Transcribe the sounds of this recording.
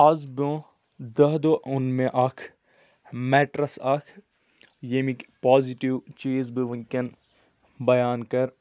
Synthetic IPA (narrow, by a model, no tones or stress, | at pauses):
ɐzbõː | d̪ɐɦd̪oːʔʊnmẽʔɐkʰ | mɛːʈɾɐsɐkʰ | jemikpaːziʈiʋt͡ʃiːzbiʋĩŋkɐn | bɐjaːnkɐɾ